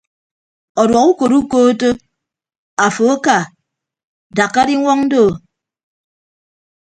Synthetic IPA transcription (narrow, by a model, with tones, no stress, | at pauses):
ɔ˨dwɔ˨ku˦ko˨ɾu˦koː˦to˦ | a˨fo˨a˦ka˨ | da˨kːa˦ɾi˦ŋʷɔ˦ŋn̩˦do˦˨